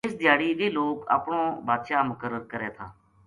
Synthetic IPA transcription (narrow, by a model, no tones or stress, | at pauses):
ɪsd̪ɪjaːɽiːʋ̪iːloːkə̰pɳõːbaːd̪ʃaːmʊkəɾəɾkəɾeːt̪ʰaː